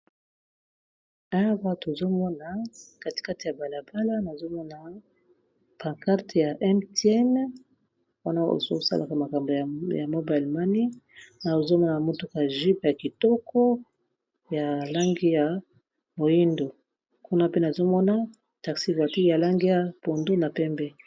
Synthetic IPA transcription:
a˦ba˦˨to˨zo˦mɔ˦na˨ka˦ti̥˨ka˦ti˨ja˨ba˨la˨ba˦la˦na˨zo˦mɔ˦na˨ | pã˨ŋka˦ʁtja˨ʔɛ˦mtɛ˦n | wa˦na˦o̰˨zo̰˦sa̰˦lʔa˨ka˨ma˨ka˨mbo˨ja˨ja˨mo˦ba˨lma˦ni˦na˨zo˦mɔ˦na˨a˨mo˦tu˦ka˨ʒi˦pja˨ki˨tɔ˦kʰɔ˦ | ja˨la˦ŋɡi˦ja˨ | mo˨ji˦ndo˨ | ku˦na˦pe˦na˨zo˦mɔ˦na˦ | ta˨ksi˦va˨ti˦ja˨la˦ŋɡi˦ja˨po˨ndo˦na˨pɛ˦mbɛ˦

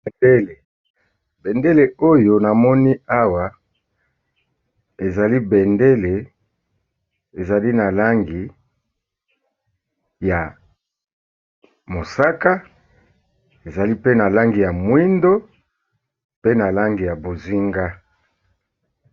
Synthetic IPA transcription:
e˨de˦le˨ | be˨nde˦le˨o˦jo˦na˨mɔ˦ni˦a˦wa˨ | e˨za˨li˦be˨nde˦le˨ | e˨za˨li˦na˨la˦ŋɡi˨ | ja˨ | mo˨sa˦ka˦ | e˨za˨li˦pe˦na˨la˦ŋɡi˨ja˨mwi˦ndo˦ | pe˦na˨la˦ŋɡi˨ja˨bo˨zi˦ŋɡa˦

